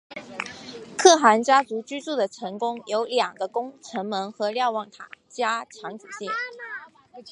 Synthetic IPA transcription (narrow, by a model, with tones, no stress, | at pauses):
kʰɤ˥˩xa˧˥nt͡ɕja˥t͡su˧˥t͡ɕy˥t͡su˥˩d̪ə˩ʈ͡ʂʰɤ˧˥ŋkʊ˥ŋjo˧˥ʊljɑ˨˩ŋɡə˧˦kʊ˥ŋʈ͡ʂʰɤ˧˥ŋmə˧˥ŋxɤ˧˥ljɑ˥˧ʊwɑ˥˩ŋt̪ʰa˨˩˦t͡ɕja˥t͡ɕʰjɑ˧˥ŋʈ͡ʂu˨˩ɕɛ˥˩